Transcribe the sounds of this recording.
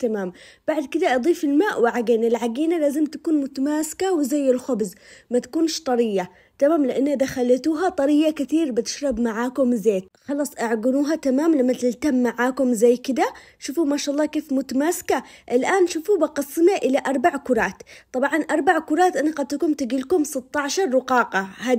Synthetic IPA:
t̪amaːmb̥aʕd̪kɪd̪aʔɑd̪ˤiːfɪlmaːʔwʕaɡeːnɪlʕaɡiːnalaːzɪmt̪akuːnmʊt̪amaːsɪ̥kawɪzajːɪlxʊbzmat̪ḁkuːnʃt̪ˤɑɾɪjːa | t̪amaːmlɪʔanːhad̪axalat̪uːɦat̪ˤɑɾɪjːakɪt̪iːɾbɪt̪ɪ̥ʃɾˤɑbmaʕaːkʊmzeːt̪xɑlɑːsˤʔaʕɡɪnuːɦat̪amaːmlamːat̪ɪlt̪amːaʕaːkʊmzajːkɪd̪a | ʃufumaʃaʔɑlˤːɑːkeːfmʊt̪amaːskaʔɪlʔaːnʃufubɑqɑsːmaʔɪlaʔɑɾˤbaʕkʊɾˤɑːt̪t̪ˤɑbʕɑnʔɑɾˤbaʕkʊɾˤɑːt̪ʔanaɡad̪̚t̪akuːmt̪ɪɡiːlkʊmsɪt̪ːɑʕʃɑɾˤːʊqɑːqɑɦaː

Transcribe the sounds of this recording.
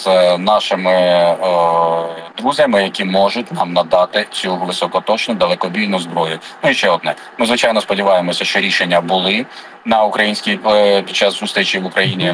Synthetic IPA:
z̥nɑʃɪmɪ | d̪ɾuzʲjɐmɪjɐkʲimɔʒʊtʲnɑmnɐd̪ɑt̪ɪt͡sʲuʋɪsɔkɔt̪ɔt͡ʃnʊd̪ɐlˠɛkɔbʲijnʊzbɾɔjʊnʊjiʃt͡ʃɛɔd̪nɛ | mɪzʋɪt͡ʃɑjnɔspɔdʲɪʋɑjemɔsʲɐʃt͡ʃɔɾʲiʃenʲːɐbʊlˠɪ | nɐʊkɾɐjinʲsʲkʲijpʲid̪̚t͡ʃːɑsːʊst̪ɾit͡ʃiʋʊkɾɐjinʲi

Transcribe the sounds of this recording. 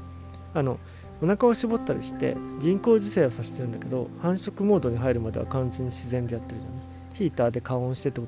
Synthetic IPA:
ano̞ | onakao̞ɕibo̞t̪ːaɾʲḭɕi̥t̪e̞̰d͡ʑĩŋko̞ːʑise̞ːβasaɕi̥t̪eɾɯ̟nd̪aked̪o̞̰hãɰ̃ɕo̞kɯ̟mo̞ːd̪o̞ɲ̟iɦaiɾɯ̟mad̪e̞βa̰kãnd͡zẽ̞ɲ̟ːiɕizẽ̞nd̪e̞jat̪ːe̞ɾɯ̟ʑona | çʲiːt̪aːd̪e̞kaõɕi̥t̪et̪ːeo

